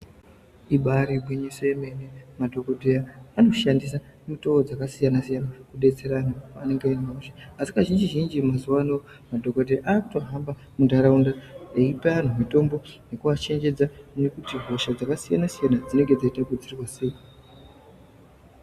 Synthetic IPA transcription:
iɓaɾibwiɲisojeme̞nemadʱo̞ko̞dʱejaːno̞ʃandisamito̞wod͡zakasijanasijanakuɗe̞t͡se̞ɾanaane̞ŋɡeninauʃeasikaʒind͡ʒiʒind͡ʒimazuwano | madʱo̞kodʱeʔaːkuto̞ɦamba | mundʱaɾaundaeipaan̤umito̞mbo̞ne̞kuʋat͡ʃe̞nd͡ʒe̞d͡zane̞kutiɦo̞ʃad͡zakasijanasijanad͡zine̞ŋɡe̞d͡zaitakud͡zirwase̞i

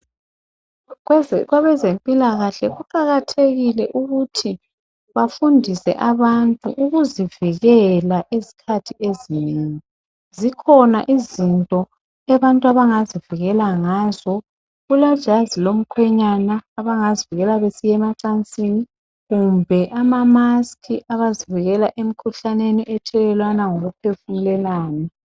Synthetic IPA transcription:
ɣwaβɛzempʼilaɣaɬɛɣuǃaɣatʰeɣilɛʔuɣutʰi | βafundʱisɛ̰ʔaβantʼṵʔuɣuziviɣɛlaʔizi̥kʰatʰiʔezineŋi | zikʰɔna̰ʔizintʼɔ | ɛβantʼuaβaŋaziviɣɛlaŋaːzɔ | ɣulḁʒ̥ʱazilom̩kʰwɛɲanaːβaŋaziviɣɛlaβesijɛmaǀant͡sʼini | ɣumbʱɛʔamamaskʰiʔaβaziviɣɛlaʔem̩kʰuɬaneniʔɛtʰɛlɛlwanaŋoɣupʰefumulɛlaːnɛ

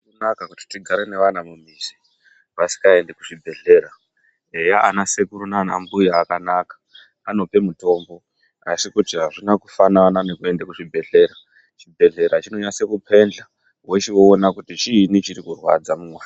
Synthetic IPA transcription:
kunakakuti̥tiɡʱaɾene̞ʋanamumisi̥ | ʋasi̥kae̞ndekuʐibʱe̞ɮe̞ːɾa | ejaanase̞kuɾunaːna̰mbujaːkanakḁ | ano̞pe̞muto̞ːmbo̞ | asikut͡ʃiɦaʐinakufananane̞kue̞ndekuʐibʱe̞ɮe̞ɾa | t͡ʃibʱe̞ɮe̞ɾat͡ʃino̞ɲase̞kupʰe̞nd͡ɮa | weʃewo̞ːnakutit͡ʃiːnit͡ʃiɾikurwa̰d͡zamuːwe

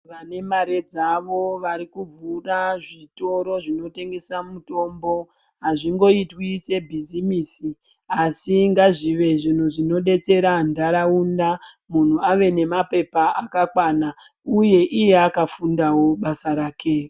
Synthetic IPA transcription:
ʋane̞maɾe̞d͡zaʋo̞ʋaɾikub͡vuraʐito̞ɾo̞ʐino̞te̞ŋɡe̞samuto̞ːmbo̞ | ɦaʐiŋɡo̞itwise̞bʱizimiːsi | asiŋɡaʐiʋe̞ʐin̤uʐino̞ɗe̞t͡se̞ɾandaɾaunda | mun̤uaʋe̞ne̞mape̞paʔakakwana | uje̞ʔijeakafundawo̞ɓasaɾaːkʰe̞

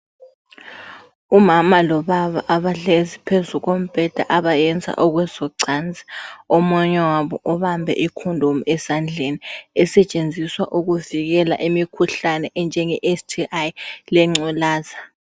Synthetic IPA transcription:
umamalɔβaβa̰ʔaβaɮezipʰezuɣom̩pʼɛd̥ʱa̰ʔaβajɛnd͡zʱa̰ʔɔɣwɛzɔǀand͡zʱi̥ɔmɔɲɛwaβɔ̰ʔɔβambʱɛ̰ʔikʰundʱumuɛsand͡ɮʱeniɛsɛt͡ʃʼend͡zʱiswaʔuɣuviɣɛla̰ʔimikʰuɬanɛʔɛnd͡ʒʱɛŋɛʔestʰiajlɛŋ͡ǀulaːza

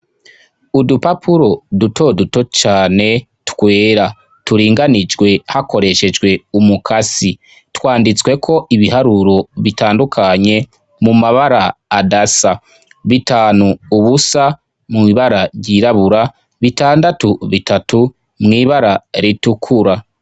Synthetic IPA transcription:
udupapʰuɾo̞duto̞duto̞t͡ʃaːne̞ | twwe̞ːɾa | tuɾiːŋɡanid͡ʒɡwe̞hako̞ɾe̞ʃe̞d͡ʒwe̞umukʰasi | twaːndit͡swe̞kʰo̞ʔiβihaɾuɾo̞βitaːndukʰaɲe̞ | mumaβaɾaːdasa | βitaːnuːβusa | mŋiβaɾaɾɟiːɾaβuɾa | βitaːndatuβitatu | mŋiːβaɾaɾitukʰuɾa

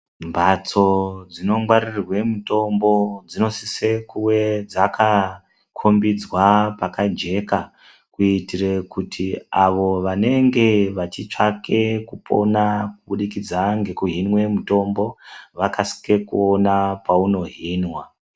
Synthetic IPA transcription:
mbʱat͡so̞d͡zino̞ŋɡwaɾirwe̞muto̞mbo̞d͡zino̞sise̞kuwe̞d͡zaka | kʰombid͡zwapakad͡ʒe̞ka | kuitirekutʰiaʋo̞ʋane̞ŋɡe̞ʋat͡ʃit͡ʂake̞kupo̞̰nakuɓuɗikid͡zaŋɡe̞kuɦinwe̞muto̞mbo̞ʋakasi̥ke̞kuonapauno̞ɦinwa

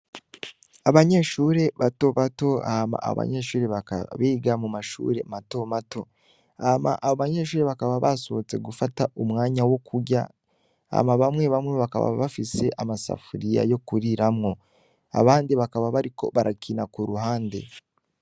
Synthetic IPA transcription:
aβaɲe̞ʃuːɾe̞βato̞βato̞ahama̰ːoβa̰ɲe̞ʃuːɾe̞βaka̰βiːɡamumaʃṵːɾe̞mato̞mato̞ | ahma̰ʔaβoβaɲe̞ːʃ̬uːɾe̞βakaβaβasoβot͡se̞̰ɡufataʔumŋaːɲawo̞kʰuɟa̰ | ha̰maβamŋe̞βamŋeβaka̰βa̰βafise̞ʔamasa̰fuɾija̰jo̞kuɾiɾamŋo̞ | a̰βaːndiβakaβaβaɾikoβaɾakʰinakuɾuɦaːnde̞̰

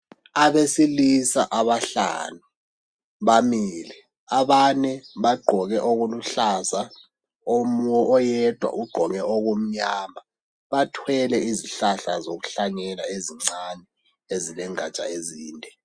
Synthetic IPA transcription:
aβesilisaʔaβaɬa̰ːnu | βamiːlɛ | aβanɛβaɡ͡ǃʱɔɣɛʔoɣuluɬasa | omɔʔɔjɛd̥ʱwa̰ʔuɡ͡ǃʱɔɣɛʔoɣom̩ɲaːma | βatʰwɛlɛiziɬaɬazoɣuɬaŋɛlaeziŋ͡ǀanɛ | ezilɛŋat͡ʃʼa̰eziːndʱɛ

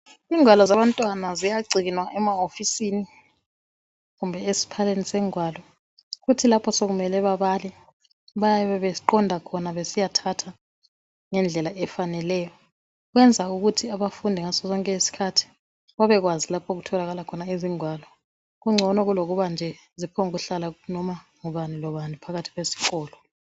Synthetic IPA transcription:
iŋwalɔzaβantʼwanazijaɡ͡ǀʱinwaʔɛmaofisini | ɣumbʱɛesi̥pʰalenisɛŋwaːlɔ | ɣutʰilapʰɔsoɣumɛlɛβaβalɛ | βajaβɛβɛǃɔndʱakʰɔnaβesijatʰatʰa | ŋɛnd͡ɮʱɛlaʔɛfanɛlɛːjɔ | ɣwɛnd͡zʱauɣutʰiaβafundʱiŋasɔzɔŋkʼɛesi̥kʰatʰi̥ | βaβɛɣwazilapʰoɣutʰɔlaɣalakʰɔnaiziŋwaːlɔ | ɣuŋ͡ǀʱɔnɔɣuloɣuβand͡ʒʱɛ | zipʰɔŋɣuɬalanɔma | ŋuβanilɔβanipʰaɣatʰi̥ɣwesi̥ɣɔːlɔ

